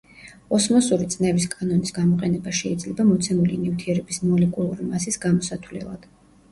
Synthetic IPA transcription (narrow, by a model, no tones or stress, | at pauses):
ɔsmɔsuɾit̪sʼnɛviskʼanɔnisɡamɔqʼɛnɛbaʃɛid̪zlɛbamɔt̪sʰɛmulinift̪ʰiɛɾɛbismɔlɛkʼulˠuɾimasisɡamɔsat̪ʰwlɛ̰lˠa̰d̪̥